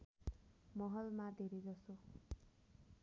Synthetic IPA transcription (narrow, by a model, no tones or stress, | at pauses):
mʌɦʌlmad̪ʱeɾejd͡zʌso